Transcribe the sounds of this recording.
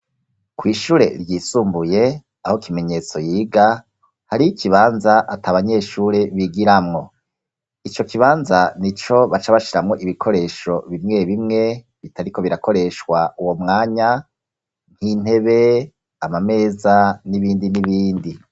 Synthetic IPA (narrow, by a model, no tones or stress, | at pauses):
kwiːʃuːɾe̞̰ɾɟiːsuːmbuje̞ | ahokime̞ɲe̞t͡so̞jiːɡa | haɾiikʰiβaːnzaʔataβaɲe̞ːʃuːɾe̞βiɡiɾamŋo̞ | it͡ʃo̞kiβaːnzanit͡ʃo̞βat͡ʃaβaʃiɾamŋo̞ʔiβikʰo̞ɾe̞ːʃo̞βimŋe̞βimŋe̞ | βitaɾiko̞βiɾako̞ɾe̞ʃwauwo̞mŋaːɲa | n̥hin̥e̞βe̞ | amame̞ːzaniβiːndiniβiːndi